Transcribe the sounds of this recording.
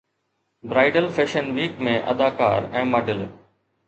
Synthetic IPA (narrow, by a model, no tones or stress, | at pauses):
bɾaːɪɖəlfeːʃənʋiːkmẽːʔɐ̰d̪aːka̰ːɾɛ̃ːmaɖɪl